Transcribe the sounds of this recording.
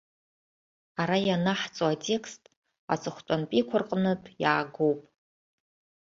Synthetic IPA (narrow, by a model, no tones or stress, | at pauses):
aɾajanaħt͡sʼoatʼe̞kʰstʼ | a̰t͡sʼɨχʷtʷʼanpʼikʷʰʊrqʼnɨtʼjaːɡowpʼ